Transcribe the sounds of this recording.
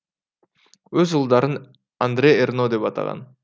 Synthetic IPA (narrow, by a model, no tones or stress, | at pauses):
øzulˠd̪ɑɾɯn | and̪ɾʲeernod̪e̞pɑt̪ɑ̰ʁɑ̰n